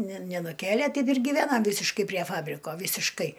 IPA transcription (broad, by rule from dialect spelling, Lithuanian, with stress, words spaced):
nʲɛ nʲɛnʊˈkʲeːlʲeː ˈtʲɛɪp ɪr ɡʲiːˈʋʲæːnɐm ˈʋʲiːsʲɪʃkɐɪ pʲrʲiɛ ˈfɑːbʲrʲɪkoː ʋʲiːsʲɪʃˈkɐɪ